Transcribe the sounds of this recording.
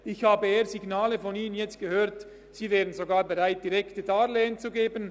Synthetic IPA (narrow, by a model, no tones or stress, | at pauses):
ɪçhaːbəeːɐziɡnaːləfɔniːnənjɛt͡st̚ɡ̥əhøːɐt | siːvɛːʁənzoɡaːbeʁaɪt̚d̥iʁɛktədaːleːənt͡suɡeːbən